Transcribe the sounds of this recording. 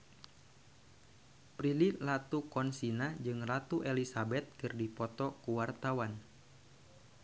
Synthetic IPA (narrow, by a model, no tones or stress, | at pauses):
pɾililat̪ukɔnsinad͡ʒɨŋlat̪uʔelisabɛt̪̚kɨrdipɔt̪ɔkuwart̪awan